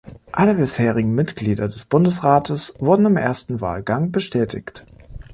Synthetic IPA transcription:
ʔaləbɪsheːʁ̞ɪɡŋ̩mɪtɡ̥liːdɐdɛsb̥ʊndəsʁaːtʰəsv̥ʊɐdn̩ɪmʔḛːɐstn̩va̰ːlɡaŋbəʃtʰɛːtʰɪ̰çt

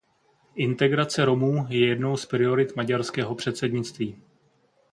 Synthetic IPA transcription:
ʔɪnt̪ɛɡɾat͡sɛɾo̞muːjɛjɛdno̞wspɾɪo̞ɾɪt̪maɟaɾskɛːɦo̞pr̝̥ɛt̪sɛdɲɪtt͡st̪viː

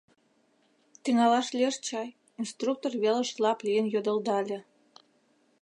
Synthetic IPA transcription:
t̪iŋɑlɑʃlʲeʃt͡ɕɑj | inst̪ruk̚t̪orβelə̆ɕlɑplʲijənjod̪ə̆ld̪ɑlʲĕ

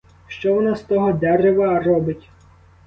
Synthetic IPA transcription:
ʃt͡ʃɔʋɔnast̪ɔɦɔd̪ɛɾeʋɐːrɔbɪtʲ

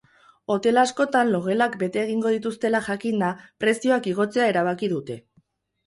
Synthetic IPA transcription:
o̞t̪e̞lasko̞t̪anlo̞ɣe̞lakbe̞t̪e̞ːɣ̞iŋɡo̞ð̞it̪ust̪e̞laʝakind̪apɾe̞sio̞akiɣ̞o̞t͡se̞ae̞ɾaβ̞akiðut̪e̞

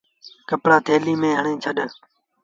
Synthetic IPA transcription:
kəpɽaːt̪ʰeːliːmẽːɦəɳẽːt͡ʃʰəɗ

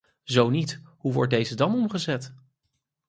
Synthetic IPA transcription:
zownitɦuʋɔ̰ɹt̚dejzədɑnɔmχəzɛt

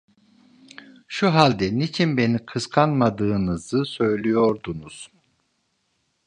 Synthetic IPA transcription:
ʃuɦalʲd̪ɛnit͡ʃʰinbe̞nikʰɯskʰanmad̪ɯːnɯzɯsø̞jlʲijo̞ɾd̪unuz̥

